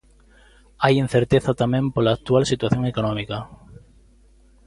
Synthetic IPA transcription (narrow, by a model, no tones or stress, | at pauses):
ajẽn̟θeɾt̪eθat̪amẽmpolaːk̚t̪ualsit̪waθjoŋekonõmika